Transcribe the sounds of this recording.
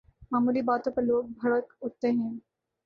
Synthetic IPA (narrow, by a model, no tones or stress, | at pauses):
mamuliːbat̪opəlok̚bʱəɭək̪ut̪ːẽɦẽn